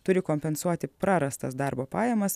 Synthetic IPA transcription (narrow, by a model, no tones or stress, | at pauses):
t̪ʊɾʲɪkoːmʲpʲɛnsuɔt̪ʲɪpɾɑɾɐst̪ɐsd̪ɐɾboːpɑːjɛmɐs